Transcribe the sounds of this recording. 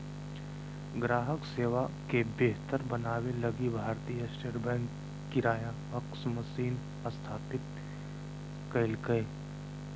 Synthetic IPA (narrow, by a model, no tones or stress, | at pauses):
ɡɾaːɦəkseːʋakebeɦt̪əɾbɐnaːwelɐɡibʱaːɾt̪ijasʈeːʈbɛ̃ːŋkː | iɾaːja | əksməsiːn | əst̪ʰaːpɪt̪̚ | kəɪlkəe